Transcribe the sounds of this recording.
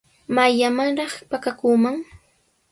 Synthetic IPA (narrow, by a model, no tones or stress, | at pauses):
majamaŋɾɑχpakakuːmaŋ